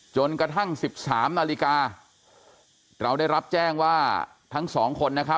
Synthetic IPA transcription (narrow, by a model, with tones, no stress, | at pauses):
t͡ɕo˧nkɾa˧t̪ʰa˥˩ŋsi˨˩p̚saː˩˦mnaː˧li˦˥kaː˧ | ɾa˧wda˥˩jɾa˦˥p̚t͡ɕɛː˥˩ŋwaː˥˩ | t̪ʰa˦˥ŋsɔː˩˦ŋkʰo˧nːa˦˥kʰa˦˥